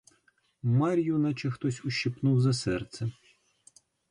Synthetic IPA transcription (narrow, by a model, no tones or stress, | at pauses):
mɑɾʲjunɐt͡ʃɛxt̪ɔsʲʊʃipnuwzɐsɛrt̪sɛ